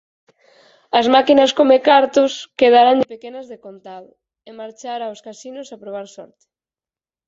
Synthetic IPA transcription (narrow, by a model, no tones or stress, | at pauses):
ɐzmakinɐskomekaɾt̪ʊskeð̞aɾand̪ɪpekenɐzðekont̪al | emaɾt͡ʃaɾaoskasinʊsapɾoβ̞aɾsɔ̰ɾt̪e̥